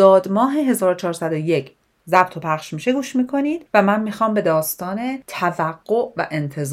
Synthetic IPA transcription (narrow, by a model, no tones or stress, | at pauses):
ɒːd̪mɒːɦe̞ɦe̞zɒːɾot͡ʃʰɒːɾsæd̪o̞je̞cʰ | zæb̥̚t̪ʰo̞pʰæχʃmiːʃe̞ɡuːʃmiːkʰo̞niːd̪̥væmænmiːxɒːmbe̞d̪ɒːst̪ɒːne̞t̪ʰævæɡ̥ːo̞ʔvæ̰ʔe̞nt̪ʰe̞z